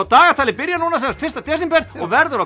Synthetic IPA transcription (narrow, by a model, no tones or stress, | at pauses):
awt̪aːɣat̪ʰaːlɪpɪɾjanuːnasɛnast̪fɪrst̪at̪ʰɛːsimpɛɾ̥ɔɣvɛɾðʏɾa